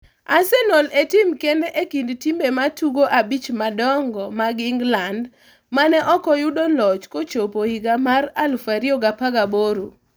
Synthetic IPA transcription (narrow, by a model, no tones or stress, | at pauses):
asɛnoletɪmkendeʔekindtimbematuɡoʔabit͡ʃmadɔŋɡɔmaɡɪŋɡland | manɛʔɔkɔjʊdolɔt͡ʃkot͡ʃopoiɡamaɾalfaɾioɡapaɡaboɾo